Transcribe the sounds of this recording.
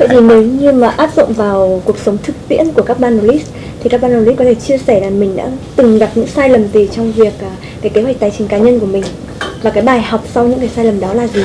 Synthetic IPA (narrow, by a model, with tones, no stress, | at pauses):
tə̰˧˨jt̪ʰi˨˩ne˨˦wɲɨ˧maː˨˩ʔaː˦˥p̚zʊ̰˧˨ŋ͡mvaː˨˩wku˨˩ək̚sə˨˦wŋ͡mt̪ʰɨ˨˩k̚t̪ḭ˧˥ənku˧˩əkaː˦˥k̚ɓaː˧no˧˩li˦˥s | t̪ʰi˨˩ka˦˥k̚ɓaː˧no˧˩li˦˥t̚kɔ˨˦t̪ʰe˧˩t͡ɕi˧əsɛ˧˩laː˨˩mï˨˩ŋ̟ɗa̰ː˧˥t̪ɨ˨˩ŋɣa˨˩p̚ɲɨ̰˧˥ŋsaː˧jlə˨˩mt̪i˨˩t͡ɕɔ˧wŋ͡mvi˨˩ək̚ʔː | kaː˨˦jke˨˦wk̚t̪ːjt͡ɕï˨˦ŋ̟kaː˨˦ɲə˧nku˧˩əmï˨˩ŋ̟ | vaː˨˩kaː˨˦jɓaː˨˩jha˨˩wk͡p̚swɲɨ̰˧˥ŋkaː˨˩˦saː˧jlə˨˩mɗɔ˨˦laː˨˩zi˨˩